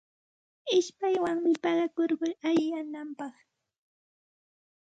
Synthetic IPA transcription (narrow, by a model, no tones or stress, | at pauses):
ɪʃpajwaŋmɪpɑɢɑkoɾɢʊjajːanampɑχ